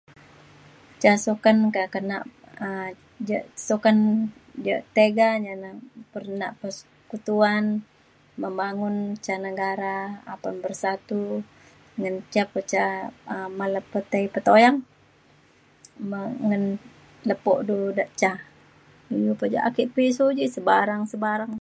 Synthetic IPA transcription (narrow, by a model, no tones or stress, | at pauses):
t͡ʃasukankakəna̰ʔ | ə | d͡ʒəʔsukand͡ʒəʔt̪eɡad͡ʒanapərnaʔpəs | kut̪uan | məmbaŋʊnt͡ʃanəɡaɾaa̰pənbərsat̪u | ŋənt͡ʃapət͡ʃaəmələpət̪əipət̪ojaŋ | məŋən | ləpɔ̰ʔdudaʔt͡ʃa | ijupəd͡ʒa̰ʔa̰kiʔ̚pisud͡ʒisəbaɾaŋsəbaɾaŋ